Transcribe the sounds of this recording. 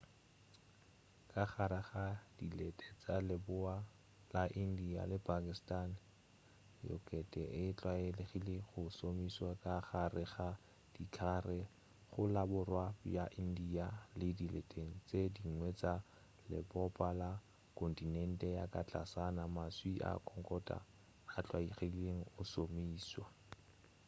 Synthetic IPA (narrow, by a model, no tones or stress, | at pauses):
kʼaχaɾɪχad̥ilɛtʼɛt͡sʼalɪbʊa | laʔin̩dia̰lɪpʰʼakʼistʼan | jɔ̰kʼɛtʼɛɪɪt͡ɬʼwaɪleχileχʊsomiswakʼaχarɪχa | d̥ikʰarɪ | χʊlabʊrwabjaʔindialɪdiletʼeŋ̩t͡sʼediŋ̩ŋwɛt͡sʼa | lɪ̰bɔpʼala | kʰʼɔntʼinɛn̩tʼɛjakʼat͡ɬʼasanamaswiʔa̰kʰʼɔŋkʼɔtʼa̰ː | t͡ɬʼwaiχeleŋ̩ʊsomiːswa